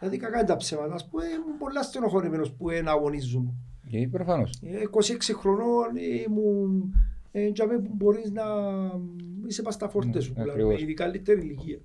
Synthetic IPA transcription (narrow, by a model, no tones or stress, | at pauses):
lɐðikakant̪aɐpsevɐnɐspuemumbolːast̪enoxoɾimenospuenaɣonizːumu | pɾofɐno̰sekːosieksixɾononemunend͡ʒameuboɾizna | isepast̪ɐfoɾt̪esuplaiðikalːit̪ːeɾiliciɐ